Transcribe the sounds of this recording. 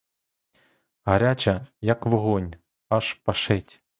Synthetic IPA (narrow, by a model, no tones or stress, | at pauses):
ɦɐɾʲat͡ʃɐjɐkʋɔɦɔnʲ | ɐʃpɐʃɛtʲ